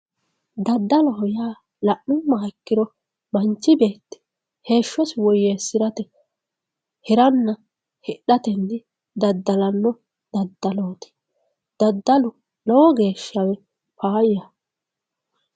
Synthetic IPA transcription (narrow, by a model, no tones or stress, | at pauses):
d̪ɐd̪ːɐlɔhɔjaː | lɐʔʊmmːaːkːɪɾɔ | bɐnt͡ʃːɪbe̞ːt̪ːɪ̥ | he̞ːʃːɔswɔjːeːsɪɾɐt̪ɛ | hɪɾɐnːɐ | hɛɗɐt̪ɛnːɪ | d̪ɐd̪ːɐlɐnːɔ | d̪̥ɐd̪ːɐloːt̪ɪ̥ | d̪̥ɐd̪ːɐlʊ | lɔwɔɡe̞ːʃːɐwɛ | paːjjɐ